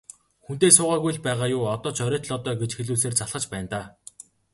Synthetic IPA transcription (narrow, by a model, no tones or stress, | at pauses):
xun̥t̪eːsʊːʁaːɣujɮpæːʁaːjʊːɔt̪ɔːt͡ɕœɾʲœːt̪ɮɔt̪ɔːɡet͡ɕxeɮuːs̬eːrt͡saɮχə̆t͡ɕpæːnt̪aː